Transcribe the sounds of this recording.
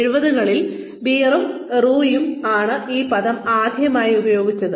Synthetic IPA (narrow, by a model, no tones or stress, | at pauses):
ɻubɐðuɣɐɭil | biːrɐm | ruːjumaːɳɨiːpɐðɐmaːd̪ʱjɐmaːjiubɐjo̞ːɡit͡ɕːɐðɨ